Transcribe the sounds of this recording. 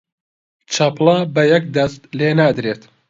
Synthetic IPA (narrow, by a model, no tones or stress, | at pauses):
t͡ʃʰɐplɐbɐjɐk̚d̪ɐst̪leːnaːd̪ɾeːt̪